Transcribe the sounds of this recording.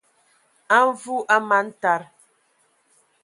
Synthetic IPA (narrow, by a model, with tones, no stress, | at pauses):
a˦ɱ˦vu˦ʔa˦ma˨˦n̩˦ta˦ɾ